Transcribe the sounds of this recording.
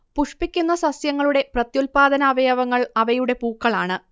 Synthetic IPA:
puʂpikʲːunːɐsɐsjɐŋːɐɭuɽe̞prɐt̪jolpaːd̪ʱɐnaːʋɐjaːʋɐŋːɐɭɐʋɐjuɽe̞puːkːɐɭaːɳɨ

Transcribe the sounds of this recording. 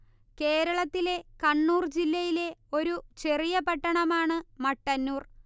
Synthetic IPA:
ke̞ːɾɐɭɐt̪ːile̞kɐɳːuːrd͡ʑilːɐjile̞o̞ɾut͡ɕe̞rijɐpɐʈːɐɳɐmaːɳɨmɐʈːɐnːuːr

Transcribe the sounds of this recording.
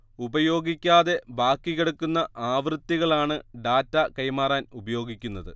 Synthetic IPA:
ubɐjo̞ːɡikʲːaːðe̞baːkːiɣeɽukːunːɐʔaːʋrɨt̪ːiɣɐɭaːɳɨɖaːtːɐkɐjmaːraːnubɐjo̞ːɡikʲːunːɐðɨ

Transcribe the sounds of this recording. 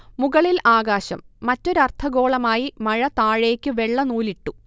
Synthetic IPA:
muɣɐɭilʔaːɡaːɕɐ̰mːɐtːo̞ɾuɐrt̪ʰɐɣo̞ːɭɐmaːjimɐɻɐt̪aːɻeːkʲːɨʋe̞ɭːɐnuːliʈːu

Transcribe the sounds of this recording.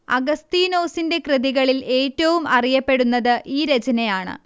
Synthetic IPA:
ɐ̰ɡɐst̪iːno̞ːsinde̞krɨðiɣɐɭile̞ːtːɐʋumɐrijɐpːe̞ɽunːɐðɨʔiːɾɐd͡ʑɐnɐjaːɳɨ̰

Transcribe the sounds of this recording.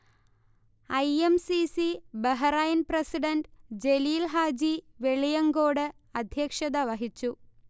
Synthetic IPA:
ɐjemsisibeɦɐrɐjinprɐsiɖɐnɖd͡ʑeliːlɦaːd͡ʑiʋeɭijɐŋɡo̞ːɽɨ | ɐd̪ʱjɐkʂɐd̪ɐʋɐɦit͡ɕːu

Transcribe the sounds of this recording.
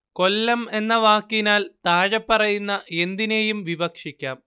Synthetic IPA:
ko̞lːɐme̞nːɐʋaːkːinaːlt̪aːɻɐpːɐrɐjunːɐe̞nd̪ine̞jumʋibɐkʂikʲːaːm

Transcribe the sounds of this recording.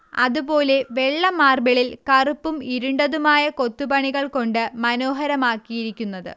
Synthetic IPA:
ɐ̰ðupo̞ːle̞ʋe̞ɭːɐmaːrbɐɭilkɐrupːumiɾuɳɖɐðumaːjɐko̞t̪ːupɐɳiɣɐɭko̞ɳɖɨmɐno̞ːɦɐɾɐmaːkːijiɾikʲːunːɐðɨ̰

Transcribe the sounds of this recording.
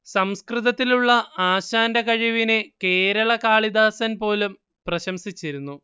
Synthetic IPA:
sɐmskrɨðɐt̪ːiluɭːɐaːɕaːndɐkɐɻiʋineke̞ːɾɐɭɐkaːɭid̪aːsɐnpo̞ːlum | prɐɕɐmsit͡ɕːiɾunːu

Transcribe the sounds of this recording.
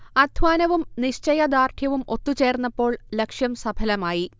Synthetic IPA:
ɐd̪ʱʋaːnɐʋumniɕt͡ɕɐjɐd̪aːrʈ̪ʰjɐʋumʔo̞t̪ːut͡ɕe̞ːrnːɐpːo̞ːɭlekʂjɐmsɐbʰʱɐlɐmaːji

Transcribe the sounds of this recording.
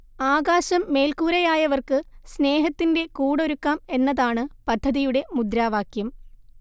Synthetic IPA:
aːɣaːɕɐmːe̞ːlkuːɾɐjaːjɐʋɐrkɨsne̞ːɦɐt̪ːinde̞kuːɽo̞ɾukːaːme̞nːɐðaːɳɨpɐd̪ʱːɐðijuɽe̞mud̪ɾaːʋaːkjɐm

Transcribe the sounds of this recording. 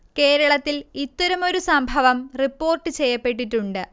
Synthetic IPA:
ke̞ːɾɐɭɐt̪ːilit̪ːɐɾɐmo̞ɾusɐmbʱɐʋɐmripːo̞ːrʈːɨt͡ɕe̞jːɐpːe̞ʈːiʈːuɳɖɨ

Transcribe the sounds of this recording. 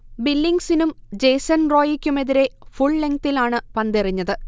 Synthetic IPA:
bilːiŋɡsinumd͡ʑejsɐnro̞ːjikʲːume̞ðiɾe̞fuɭːeŋkt̪ilaːɳɨpɐnd̪eriɲːɐðɨ

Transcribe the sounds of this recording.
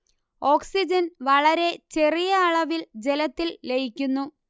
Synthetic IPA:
o̞ːksid͡ʑɐnʋɐɭɐɾe̞t͡ɕe̞rijɐːɭɐʋild͡ʑe̞lɐt̪ːilːe̞jikʲːunːu

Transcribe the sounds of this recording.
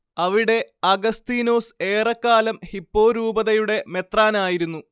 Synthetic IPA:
ɐʋiɽe̞ɐɡɐst̪iːno̞ːseːrɐkːaːlɐmhipːo̞ːɾuːbɐðɐjuɽe̞me̞t̪raːnaːjiɾunːu

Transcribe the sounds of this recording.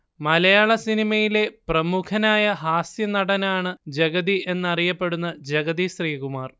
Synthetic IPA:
mɐlɐjaːɭɐsinimɐjile̞prɐmukʰɐnaːjɐɦaːsjɐnɐɽɐnaːɳɨd͡ʑɐɡɐðie̞nːɐrijɐpːe̞ɽunːɐd͡ʑɐɡɐðisriːɣumaːr

